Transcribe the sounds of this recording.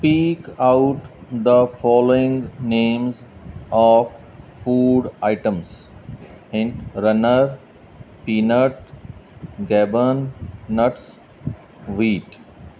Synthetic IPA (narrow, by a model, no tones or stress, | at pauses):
spiːkaʊʈd̪əfɔːloɪ̃ŋɡnẽːmzɔːʋ | fuːɖaɪʈə̃ms | ɪ̃ɳɖɾʌnəɾ | piːnəʈ̚ | ɡɛbənnəʈs | ʋiːʈ